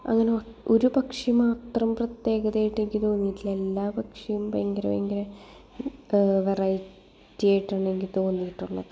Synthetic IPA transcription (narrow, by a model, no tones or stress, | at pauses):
ɐ̰ŋːɐneoʔoɾubɐkʂimaːt̪rɐmprɐt̪je̞ːɡɐðeːjiʈːeŋɡʲit̪o̞ːnːijitːile̞lːaːbɐkʂɐjumpɐjɐŋɡɐɾɐmḛŋɡɐɾɐ | ʋerɐj | tːijaːjiʈːaːɳeŋɡit̪o̞ːnːijiʈːuɭːɐ̰ðɨ